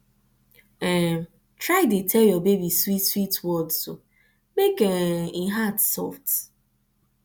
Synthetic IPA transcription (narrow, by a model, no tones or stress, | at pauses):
ɛ | tɾaɪdetʰɛljɔbebiswitswitwɔdso | mekɛiɦadsɔ̰ft